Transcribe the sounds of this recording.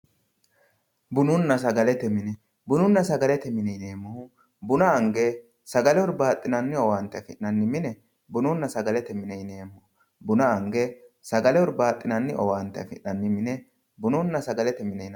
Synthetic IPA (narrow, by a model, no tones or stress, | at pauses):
bʊnʊnːɐs̬ɐɡɐlɛt̪ɛmɪnɛ | bʊnʊnːɐsɐɡɐlɛt̪ɛmɪnɛne̞ːmːʊhʊ | bʊnɐːŋɡɛ | sɐɡɐlɛɔɾbaːt̪ʼːɪnɐnːɪɔwaːnt̪ːɛfɪʔnɐnːɪmɪnɛ | bʊnʊnːɐsɐɡɐlɛt̪ɛmɪnɛneːmːʊʊ | bʊnɐɐŋɡɛsɐɡɐlɛwɔɾbaːt̪ʼːɪnɐnːɪʔɔwaːnt̪ːɛfɪʔnɐnːɪmɪnɛ | bʊnʊnːɐsɐɡɐlɛt̪ɛmɪnɛn